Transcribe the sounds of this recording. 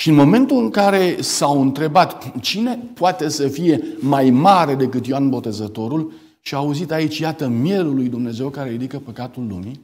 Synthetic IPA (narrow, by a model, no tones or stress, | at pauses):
ʃiɨnmo̞me̞nt̪uɨŋkaɾe̞sawɨnt̪ɾe̞bat̪t͡ʃine̞poat̪e̞səfije̞majmaɾe̞d̪e̞kɨt̪joanbo̞t̪e̞zət̪o̞ɾul | ʃiaːuzit̪ait͡ʃʲjat̪əmje̞lulːujd̪umne̞ze̞wkaɾeɾid̪ikəpəkat̪ulːṵmi